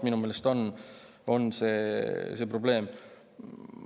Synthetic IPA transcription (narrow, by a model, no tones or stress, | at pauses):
minume̞ːlest̪o̞n | o̞nse̞ːsepro̞ble̞ːm